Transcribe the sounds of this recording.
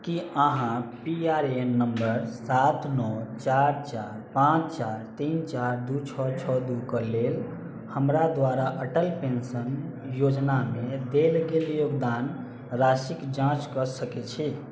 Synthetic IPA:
kiəɦãpiaɾenəmbəɾsat̪nɔt͡ʃaɾt͡ʃaɾpãt͡ʃt͡ʃaɾt̪int͡ʃaɾd̪ut͡ʃʰɔt͡ʃʰɔd̪ukəlel | həmɾad̪ʋaɾaʔəʈəlpensən | jod͡ʒnamed̪elɡeljoɡd̪an | ɾasikd͡ʒãt͡ʃkəsəket͡ʃʰi

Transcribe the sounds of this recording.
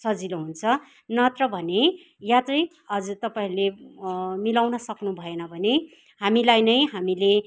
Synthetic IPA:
sʌd͡zinuɦunt͡sʰʌ | nʌt̪rʌbʱʌne | jat͡sʌj | ʌd͡zut̪ʌpaĩle | milawnʌsʌknubʱʌenʌbʱʌne | hamilajnʌjɦamile

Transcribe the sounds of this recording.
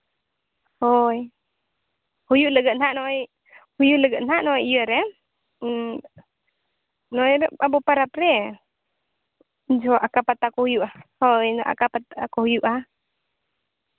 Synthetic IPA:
hɔj | hujuʔləɡənaʔnɔj | hujuʔləɡəʔnhaʔnɔjijəɾɛ | nɔjɾɛabɔpaɾapɾɛ | d͡ʒɔʔakapat̪akɔhujuʔahɔjnʔa̰kapat̪akɔhujuʔa

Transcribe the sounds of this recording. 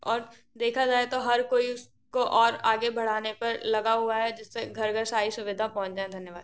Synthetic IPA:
ɔːɾ | d̪eːkʰad͡ʒaːet̪oɦɐɾkoːiʊs | koʔɔːɾaːɡebʱɐɽ̤aːnepɐɾlɐɡaɦuaɦɛd͡ʒɪsːeɡʱɐɾɡʱəɾsaːisʊʋɪd̪ʱapɔ̃ɦʊ̃t͡ʃd͡ʒaːẽd̪ʱɐnjəʋaːd̪̚

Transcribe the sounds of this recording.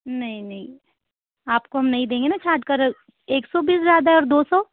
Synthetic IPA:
nɐɦĩnɐɦĩ | aːpkoɦɐmnɐɦĩd̪ẽːŋɡenat͡ʃʰaːd̪kɐɾ | eːksɔbiːs̬zjaːd̪aɦɛɔːɾd̪oːsɔː

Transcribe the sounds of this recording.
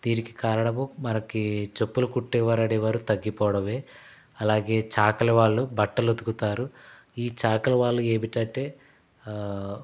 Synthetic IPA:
d̪̥iːniki̥kaːɾɐɽɐmumɐnɐkit͡ʃopːulukuʈːɛʋɐɾɐɽeʋaːɾut̪ɐɡːipɔːɐɽɐʋeː | ɐlaːɡe̞ːt͡ʃaːkɐlɐʋaːɭːubɐʈːɐlod̪ukut̪aːɾu | iːt͡ʃaːkɐlɐʋaːɭːueːmiʈɐɳʈe̞ː

